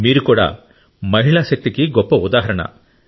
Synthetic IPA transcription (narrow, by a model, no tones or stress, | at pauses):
miːɾukuːɽa̰ː | mɐɦiɭaʃɐk̚t̪ikiɡɔpːɐud̪aːɦɐɾɐɳɐ̰